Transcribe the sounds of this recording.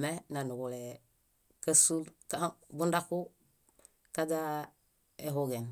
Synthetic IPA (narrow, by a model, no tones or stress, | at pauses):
menanuɡule | kasulkabundaku | kad͡ʒa | eɦuɡen